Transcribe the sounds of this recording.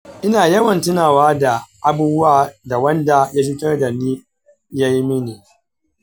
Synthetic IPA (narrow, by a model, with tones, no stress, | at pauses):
ʔɪ˦naː˨jɐ˦wɐ˨ntɪ˦naː˨waː˦da˨ʔa˨buː˦bʊ˦waː˦˨da˨wɐ˦nda˨ja˦ɸɪ˦tɐ˦rda˨niː˦ | ja˦ji˦mɪ˦niː˨